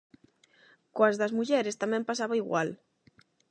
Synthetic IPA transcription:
koɐzðɐzmuʎɛɾest̪amɛ̃mpasaβaiɣwa̰l

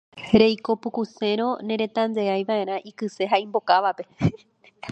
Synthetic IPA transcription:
ɾe̞jko̞pukuse̞ɾ̃õ̞nẽ̞ɾe̞t̪ãnd̪e̞ajʋae̞ɾãʔikɨse̞ɦaĩmbo̞kaʋape̞

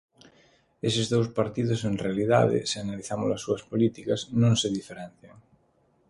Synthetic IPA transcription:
esezðowspaɾt̪ið̞osenrealiða̰ðḛseanaliθamo̰lasːuɐspolit̪ikaznõŋseðifeɾɛ̃n̟θjaŋ

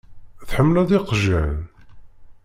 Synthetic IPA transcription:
θħəmːlæðɪqʒæn

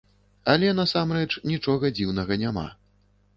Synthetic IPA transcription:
ɐlʲɛn̪asamɾɛt͡ʂnʲit͡ʂɔɣɐd͡zʲiwnɐɣɐnʲama̰

